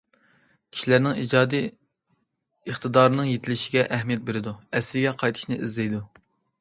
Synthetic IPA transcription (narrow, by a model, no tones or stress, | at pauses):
kʲʰi̥ʃilæɾnɪŋid͡ʒɑːd̪i | əχt̪ʰɨd̪ɑːɾɨnɨŋjet̪ʰɪlɪʃɪɡʲɛʔɛhmijɛt̪̚beɾɪd̪uɛslɪɡʲɛqʰɑjt̪ʰɨ̥ʃnɨʔizlɛjd̪u